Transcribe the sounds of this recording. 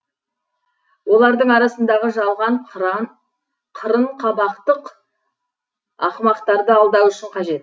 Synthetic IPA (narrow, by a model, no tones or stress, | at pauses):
wo̞lˠɑɾd̪əɴɑɾɑsənd̪ɑʁəʒɑlˠʁɑɴ | qʰəɾəɴqʰɑbɑqt̪əq | ɑ̰qmɑqt̪ɑɾd̪əɑlˠd̪ɑwʏʃɪɴqʰɑʒe̞t̪̚